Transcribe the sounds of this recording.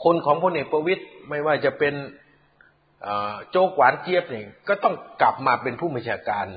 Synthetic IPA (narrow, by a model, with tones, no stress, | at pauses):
kʰo˧nkʰɔː˩˦ŋpʰo˧nʔeː˨˩k̚pɾa˧wi˦˥t̪̚ma˥˩jwaː˥˩t͡ɕa˨˩pe˧n | ʔəː˨˩t͡ɕoː˧kwaː˩˦nt͡ɕi˧˥˩əp̚ni˧˩kɔː˥˩t̪ɔ˥˩ŋkla˨˩p̚maː˧pe˧npʰuː˥˩ba˧nt͡ɕʰaː˧kaː˧n